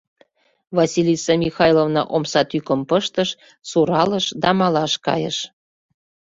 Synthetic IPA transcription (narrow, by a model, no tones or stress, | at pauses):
vɑsʲilʲisɑmʲixɑjlovnɑ̰ʔomsɑt̪ykə̆mpəʃt̪əʃ | suɾɑləʃd̪ɑmɑlɑʃkɑ̰jə̰ʃ